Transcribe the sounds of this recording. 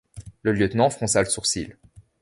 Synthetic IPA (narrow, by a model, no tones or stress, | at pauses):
ləljət̪nɑ̃fχɔ̃saləsuʁsil